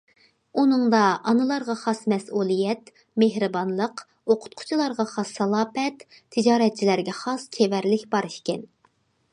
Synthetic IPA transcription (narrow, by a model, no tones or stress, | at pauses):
unɨŋd̪ɑʔɑnɨlˠɑɾʁɑχɑsmɛsulˠɨjɛt̪ | meɦɾɨbɑnlˠəq | oqʰʊ̥t̪̚qʰʊ̥t͡ʃʰilˠɑɾʁɑχɑsːɑlˠɑːpɛt̪ʰː | ɨd͡ʒɑːɾɛt̪̚t͡ʃʰilæɾɡʲɛχɑst͡ʃʲʰevæɾlɪkʲbɑɾɨʃkʲɛn